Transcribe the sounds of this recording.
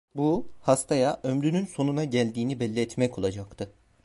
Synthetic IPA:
buhast̪ʰajaʔømɾynynso̞nunaɟælʲd̪iːnibɛlʲːiɛt̪mɛco̞lˠad͡ʒakt̪ʰɯ

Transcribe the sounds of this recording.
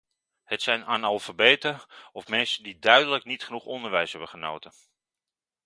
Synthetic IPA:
hətsɛjnaːnɑlˠfabeːtəɔfmɛnsəndidœɥdələknitχənuχɔndəɹʋɛjsɦɛbəχəno̰wtən

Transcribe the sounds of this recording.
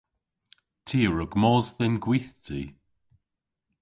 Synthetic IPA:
tʰiːəɹəɡmɔːzðɪnɡwiθtʰiː

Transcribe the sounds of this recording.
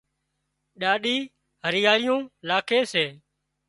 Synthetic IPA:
ɗaːɗiː | ɦəɾɪjaːɭɪjõːlaːkʰeːseː

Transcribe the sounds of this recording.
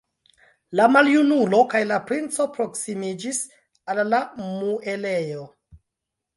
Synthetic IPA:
lamaljunulo̞kajlapɾint͡so̞pɾo̞ksimid͡ʒis | alːamuʔele̞jo̞

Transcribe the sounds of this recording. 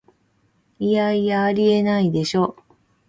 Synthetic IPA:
ijaijaːɾʲie̞naid̪e̞ɕo̞ː

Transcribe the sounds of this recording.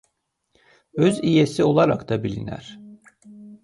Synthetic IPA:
øzijesio̞lˠaɾakt̪ʰabilʲinæ̰ɾ̥

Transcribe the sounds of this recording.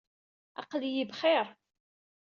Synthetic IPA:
ɑ̰qlijibχɪɾˤ

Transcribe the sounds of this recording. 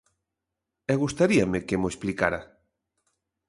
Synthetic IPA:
ɛɣust̪aɾiamɪkemoesplikaɾa

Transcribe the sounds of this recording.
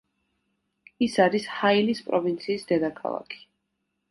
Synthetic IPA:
isaɾishailispʼɾɔvint̪sʰiːsd̪ɛd̪akʰa̰lˠa̰kʰi̥

